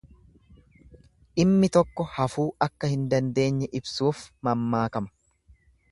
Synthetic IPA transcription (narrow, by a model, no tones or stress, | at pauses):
ʔɪmːɪt̪ɔkːɔhɐfuːʔɐkːɐhɪnd̪ɐnd̪e̞ːɲːɛʔɪbsuːfmɐmːaːkɐmɐ̥